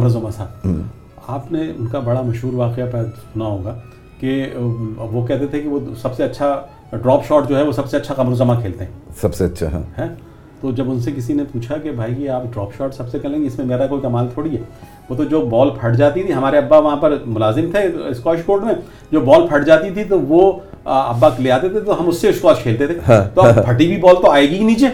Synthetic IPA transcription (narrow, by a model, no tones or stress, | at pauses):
ɐmɾzɐmasʰa | aːpneʊnkabɐɽamɐʃɦuːɾʋaːqeapɛːsʊnaɦoːɡaː | ke | ʋokɛɦt̪̬et̪ʰekeʋosɐbseɐtːʃʰa | ɖɾɔːpʃɔːʈd͡ʒoːɦɛʋosɐbseɐtːʃʰaqɐmɾozɐmãkʰeːlt̪eɦɛ̃ːsɐbseɐtːʃʰa̰ɦɦɛː | t̪oːd͡ʒɐbʊnsekɪsinepuːt͡ʃʰakebʱaːijeaːpɖɾɔːpʃɔːɾʈsɐbsekɛlẽːŋɡeɪsmẽmeːɾakoːikɐmaːlt̪ʰoːɽiɦɛː | ʋoːt̪od͡ʒoːbɔːlpʰɐɽd͡ʒaːt̪it̪ʰiɦɐmaːɾeɐbːaʋɐɦãpɐɾmʊlaːzɪmt̪ʰeɪskɔːɪʃkoːɾɖmẽ | d͡ʒoːbɔːlpʰɐʈd͡ʒaːt̪it̪ʰit̪oʋo | ɐ̰bːakleaːt̪et̪ʰet̪oɦɐmʊsːeʊskoaːd͡ʒkʰeːlt̪et̪ʰeɦãːt̪oɐpʰɐʈibʱibɔːlt̪oaːeːɡiniːt͡ʃeː